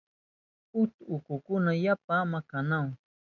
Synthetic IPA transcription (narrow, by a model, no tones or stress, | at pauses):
ʊt̪ʊkʊkʊnajap̚amakanaw